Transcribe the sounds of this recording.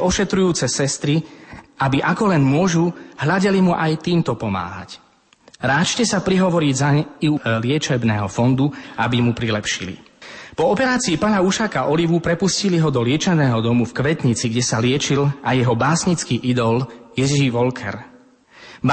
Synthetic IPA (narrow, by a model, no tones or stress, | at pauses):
ɔʃɛt̪ɾujuːt͡sɛsɛst̪ɾiabiʔakɔlɛnmʊɔʒuɦʎaɟɛlimuʔajt̪iːmt̪ɔpɔma̰ːɦa̰c | ɾaːt͡ʃcɛsapɾiɦɔʋɔɾiɟzailɪɛt͡ʃɛbnɛːɦɔfɔnd̪uabimupɾilɛpʃilḭ | pɔɔpɛɾaːt͡siːpanauʃakaʔɔliʋupɾɛpusciliɦɔd̪ɔlɪɛt͡ʃɛnɛːɦɔd̪ɔmufkʋɛt̪ɲit͡siɡɟɛsalɪɛt͡ʃilajɛɦɔbaːsɲit͡skiːʔid̪ɔljɛʒiʋɔlkʰɛ̰ɾ